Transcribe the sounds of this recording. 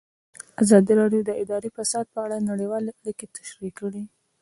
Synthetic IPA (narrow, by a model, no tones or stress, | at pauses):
azɑd̪iɾɑɖjod̪əʔɪd̪ɑɾifasɑd̪̚pəaɽanaɽəwɑleaɽiket̪ḁʃɾikːəɽi